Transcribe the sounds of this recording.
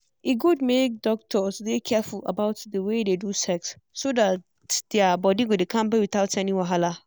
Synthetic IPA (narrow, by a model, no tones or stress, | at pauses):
iɡud̚mek̚dɔk̚tʰɔtʰudekʰɛfʊla̰baʊtdəwededusɛksː | odat | d̥eabɔdiɡodekʰãmbɛwiθaʊtɛnĩwaɦala